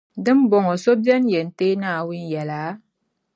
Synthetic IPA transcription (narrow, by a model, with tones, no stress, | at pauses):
dɨ˦m˦bo˨ŋo˨so˦bi˦ɛ˦nje˨n˨te˦na˦˨wi˦njɛ˨laː˨˦